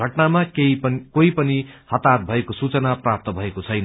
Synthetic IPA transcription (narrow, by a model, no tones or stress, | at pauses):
ʌʈnamakeiʌkoipʌnihʌt̪at̪̚bʱʌekosut͡sʌnaprap̚t̪ʌbʱʌekot͡sʰʌjn